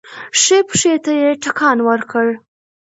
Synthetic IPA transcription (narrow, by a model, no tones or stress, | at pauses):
ʂepʂet̪ajeʈakʰɑnwəɾkəɽ